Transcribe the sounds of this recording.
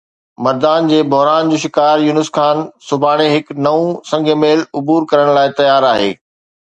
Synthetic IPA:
mɐɾd̪aːnd͡ʑeːbɐɦɾaːnd͡ʑoːʃɪkaːɾjuːnɪskaːnsʊbʱaːɽ̃eɦɪknɐũsɐ̃ŋɡʱəmeːlʊbuːɾkɐɾəɽ̃laːɪt̪ɐjaːɾaːɦḛː

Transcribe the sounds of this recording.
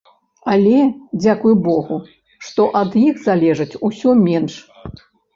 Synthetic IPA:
ɐlʲɛd͡zʲakujubɔɣu | ʂt̪ɔʔɐd̪jixzalʲɛʐɐt͡sʲusʲɔmʲɛnʂ

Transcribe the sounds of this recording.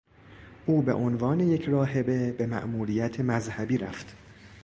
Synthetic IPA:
ʔuːbe̞̰ʔonvɒːne̞jecʰɾɒːɦe̞be̞be̞mæ̰ʔmuːɾiːjæt̪ʰemæzhæbiːɾæft̪

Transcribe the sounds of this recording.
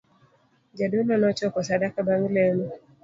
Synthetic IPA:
d͡ʒadunɔnɔt͡ʃɔkɔsadakabaŋilɛnɔ

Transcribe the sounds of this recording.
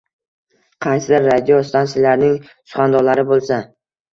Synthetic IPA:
qʰɑjsɪd̪ɪɾːad̪ijost̪ʰansɪlaɾnɪŋ | sʊ̥χɑnd̪ɒɾlaɾɪbolˠsa

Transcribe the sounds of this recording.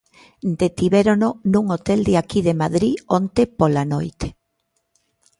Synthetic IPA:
d̪et̪iβeɾononũŋot̪eld̪eakiðemaðɾiont̪epolanojt̪e̥

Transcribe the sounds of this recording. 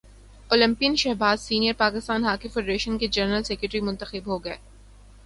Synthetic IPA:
oːlɪ̃mpijənʃɛɦbaːzsiːnijəɾpaːkɪst̪aːnɦaːkifeːɖɾeːʃənked͡ʒɐɾnɾəlsɛkɾɪʈɾimʊ̃nt̪əxɪbɦoɡɐḛː

